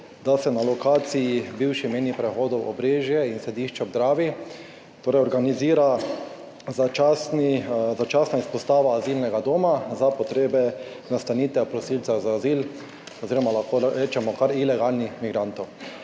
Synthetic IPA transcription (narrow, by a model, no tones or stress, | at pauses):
d̪asɛnalɔkaːt̪sijibiwʃimeːnipɾɛxoːd̪ɔwʔɔ̰bɾeːʒjɛinsɛd̪iːʃt͡ʃɛɡd̪ɾaːʋi | t̪oːɾɛjɔɾɡaniziːɾa | zaasnizat͡ʃaːsnaispɔst̪aːʋaːzilnɛɡad̪oːmazapɔt̪ɾeːbɛ | nast̪anit̪ɛpɾɔsilsazaːziːl | ɔziːɾɔmalaxkoɾeːt͡ʃɛmɔkaɾilɛɡalnixmiɡɾant̪ɔw